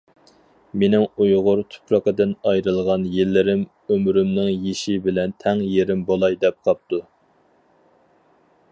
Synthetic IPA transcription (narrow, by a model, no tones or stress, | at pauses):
menɪŋujʁʊɾt̪ʰy̥pɾɑqəd̪ɨnɑjɾɨlˠʁɑnjelːɪɾɪm | ømɾymnɪŋjeʃibɪlɛnt̪ʰɛŋjeɾɪmbolˠɑjd̪ɛp̚qʰɑp̚t̪u